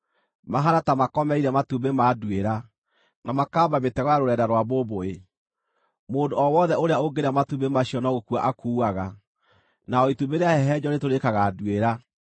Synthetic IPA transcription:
maɦaɾatamakɔmɛiɾɛmatubemadweɾa | namakaːbaβetɛɣɔjaɾoɾɛdaɾwaβoβoe | moːndoɔwɔðɛoɾeaoɡeɾamatubemaɕiɔnɔɣokwa̰ʔakuːaɣa | naɔitubeɾeahɛɦɛd͡ʑɔnetoɾekaɣadweɾa

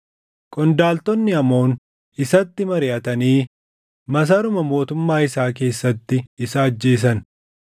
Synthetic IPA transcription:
kʼɔnd̪aːlt̪ɔnːɪɐmo̞ːn | ɪsɐt̪ːɪmɐɾɪʔɐt̪ɐniː | mɐs̬ɐɾʊmɐmo̞ːt̪ʊmːaːɪsaːk̬e̞ːsːɐt̪ːɪɪsaːd͡ʒːe̞ːs̬ɐn

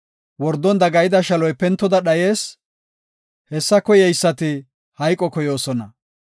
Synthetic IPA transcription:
wɔɾd̪ːɔnd̪ɐɡɐjɪd̪ɐʃɐlɔjpɛnt̪ːɔd̪ɐɗɐje̞ːs | hɛsːɐkɔjɛjsːɐt̪ɪ | hɐjkʼɔkɔjo̞ːsɔnɐ

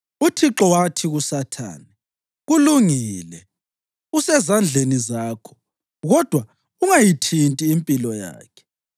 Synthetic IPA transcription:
utʰiǁɔwatʰiɣusatʰa̰ːnɛ | ɣuluŋiːlɛ | usɛzand͡ɮʱenizaːkʰɔ̥ | ɣɔd̥ʱwa | uŋajitʰintʼiːmpʼilɔja̰ːkʰɛ̥

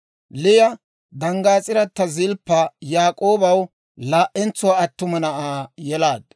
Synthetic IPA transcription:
lɪjɐ | d̪ɐŋɡaːt͡sʼɪɾɐt̪ːɐzɪlpːɐjaːkʼo̞ːbɐw | laːʔɛnt͡sːʊwaɐt̪ːʊmɐnɐʔaːjɛlaːd̪̥̚

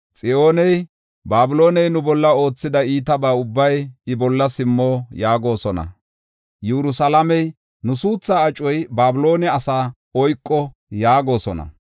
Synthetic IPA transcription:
t͡sʼɪo̞ːnɛj | baːbʊlo̞ːnɛjnʊbɔlːɐo̞ːt͡sːɪd̪ɐiːt̪ɐbaːʊbːɐjɪbɔlːɐsɪmːoːjaːɡo̞ːsɔnɐ̰ | jɛɾʊsɐlɐmɛj | nʊsuːt͡sːaːɐt͡ʃʼːɔjbaːbɪlo̞ːnɛɐsaː | ɔjkʼːɔjaːɡo̞ːsɔnɐ̰

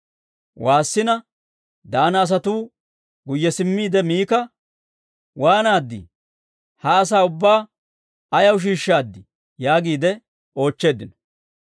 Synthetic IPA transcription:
waːsːɪnɐ | d̪aːnɐːs̬ɐt̪uː | ɡʊjːɛsɪmːiːd̪ɛmiːkɐ | waːnaːd̪ːɪ̰ | hɐːs̬aːʊbːaː | ɐjɐwʃ̬iːʃːaːd̪ːɪ | jaːɡiːd̪ɛ | o̞ːt͡ʃːe̞ːd̪ːɪnɔ̥

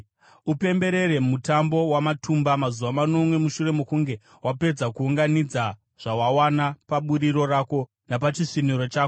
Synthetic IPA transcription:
upe̞mbe̞ɾe̞ɾe̞mutambo̞wamatʰumbamazuʋamano̞mwe̞muʃure̞mekuŋɡe̞ | wape̞d͡zakuːŋɡanid͡za | ʐ̥awawanapaɓuɾiɾo̞rako̞ | napat͡ʃiʂinuɾot͡ʃaːko

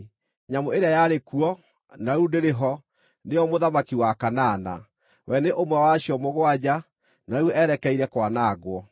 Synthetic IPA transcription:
ɲamoeɾeajaɾekuɔ | naɾundeɾeɦɔ | nejɔmoðamakiwakanaːna̰ | wɛneʔomwɛwaɕiɔmoɣwad͡ʑa | nauɛɾɛkɛiɾɛkwanaːɣwɔ

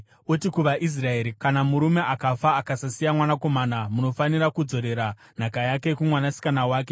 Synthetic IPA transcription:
otikuʋaʔis̬rae̞ːɾikanamuɾume̞ʔakafaːkasasijamwanako̞maːnamuno̞faniɾakud͡zo̞ɾe̞ɾa | n̤akajake̞kumwanasi̥kanawaːk̬e̞

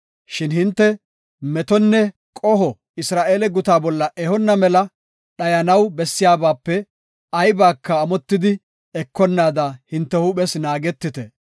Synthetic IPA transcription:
ʃɪnhɪnt̪ːɛ | mɛt̪ɔnːɛ | kʼɔɦɔ | ɪsɾaːʔe̞ːlɛɡʊt̪aːbɔlːɐʔɛhɔnːɐmɛlɐ | ɗɐjɐnɐwbɛsːɪjaːbaːpːɛ | ɐjbaːkːɐːmɔt̪ːɪd̪ɪ | ɛkːɔnːaːd̪ɐhɪnt̪ːɛhʊɓɛsnaːɡɛt̪ːɪt̪ɛ

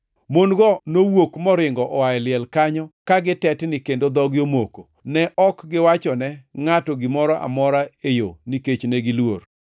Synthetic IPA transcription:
monɡɔnowokmɔɾɪŋɡɔʔɔwaɛlɪɛlkaɲɔkaɡɪtɛtnɪkendod̪ɔɡjomoko | nɛʔɔkɡɪwat͡ʃɔnɛŋatɔɡɪmɔɾɔʔa̰mɔɾaejoniket͡ʃnɛɡɪlwor

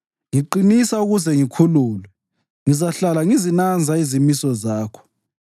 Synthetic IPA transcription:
ŋiǃinisauɣuzɛŋikʰuluːlwɛ | ŋizaɬalaŋizinand͡zʱaizimisɔzaːkʰɔ̥

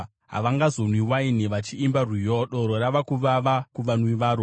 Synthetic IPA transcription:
ɦa̰ʋaŋɡazonwiwainiʋat͡ʃiːmbarwijoɗoɾoɾaʋakuʋaʋakuʋanwiʋaːɾo

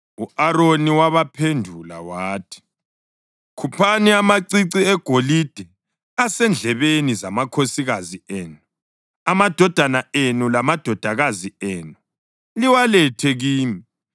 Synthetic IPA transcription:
uaɾoniwaβapʰendʱula̰waːtʰi̥ | kʰupʰaniamaǀiǀiɛɡ̥ʱolid̥ʱɛ | asɛnd͡ɮʱɛβenizamakʰosiɣazieːnu | amad̥ʱɔd̥ʱanaenulamad̥ʱɔd̥ʱaɣazieːnu | liwalɛtʰɛɣiːmi

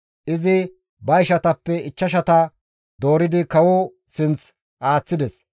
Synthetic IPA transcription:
ʔɪzɪ | bɐjʃɐt̪ɐpːɛɪt͡ʃːɐʃ̬ɐt̪ɐ | d̪o̞ːɾɪd̪ɪkɐwɔ | sɪnt͡s | ʔaːt͡sːɪd̪ɛs

